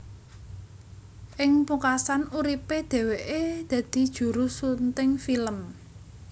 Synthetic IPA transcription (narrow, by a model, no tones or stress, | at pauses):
ʔɪŋpukasanuɾiped̪̥ɛ̤weʔed̪̥ä̤d̪̥i̤d̥ʒ̥ṳɾusunt̪ɪŋfiləm